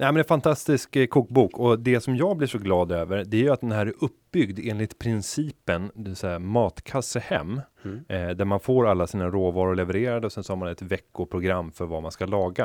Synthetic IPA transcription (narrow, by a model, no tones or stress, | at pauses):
nɛmɛnɛnfant̪ʰast̪ɪskkʰuːk̚buːkʰɔd̪ɛsɔmjɑːɡblɪʂɔɡlɑːd̪øːvəɾd̪ɛæjɵat̪̚d̪ɛnɦæɾʔɵp̚ːbʏɡd̪eːnlɪt̪pʰɾɪnsiːpənd̪ɪvɪt̪sɛjamɑːt̪kʰasːəhɛ̰mː | d̪æɾmanfoːɾalːasiːnaɾoːvɑːɾʊɾɭɛvɛɾeːɾad̪əɔsɛnsɔhɑːmanɛt̪vɛkːʊpʰɾʊɡɾamːfœɾvamanskalɑːɡa